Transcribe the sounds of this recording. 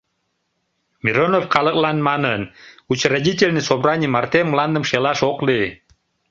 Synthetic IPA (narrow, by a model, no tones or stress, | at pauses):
mʲiɾonofqɑlˠɤklˠɑnmɑnənut͡ɕrad̪ʲit̪ʲelʲnisobɾɑnʲimɑrt̪emlˠɑnd̪əmʃelɑʃoqli